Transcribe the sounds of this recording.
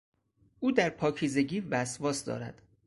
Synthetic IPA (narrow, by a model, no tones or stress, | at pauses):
ʔuːd̪æɾpʰɒːcʰiːze̞ɟiːvæsvɒːsd̪ɒ̰ːɾæ̰d̪̥